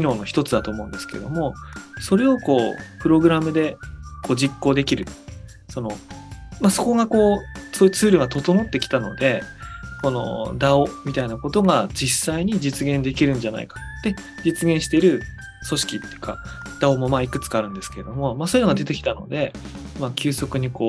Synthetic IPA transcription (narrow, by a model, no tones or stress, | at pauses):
kʲino̞ːno̞çi̥t̪o̞t͡sɨd̪at̪oːmo̞ɯ̟̃nd̪e̞sɨ̥ke̞ɾed̪o̞mo̞so̞ɾe̞o̞ko̞ːpɯ̟ɾo̞ɡɯ̟ɾamɯ̟d̪e̞ko̞ːd͡ʑikːo̞ːd̪e̞kʲiɾɯ̟ | so̞no̞maso̞ko̞ɡako̞ːsoːjɯ̟t͡sɨːɾɯ̟ɡat̪o̞t̪o̞no̞t̪ːe̞kʲi̥t̪ano̞̰d̪e̞ko̞no̞̰d̪ao̞mʲit̪ainako̞t̪o̞ɡad͡ʑisaiɲ̟id͡ʑit͡sɨɡẽ̞nd̪e̞kʲiɾɯ̟̃ɲd͡ʑana̰ḭkḁd̪̥e̞ | d͡ʑit͡sɨɡẽɕi̥t̪e̞ɾɯ̟ | so̞ɕi̥kʲit̪ːeɯ̟ka̰ | d̪̥ao̞mo̞maːikɯ̟t͡sɨ̥kaːɾɯ̟̃nd̪e̞sɨ̥ke̞ɾed̪o̞mo̞maːsoːjɨno̞ɡad̪e̞t̪e̞kʲi̥t̪ano̞̰d̪e̞ | makʲɨːso̞kɯ̟ɲ̟iko̞ː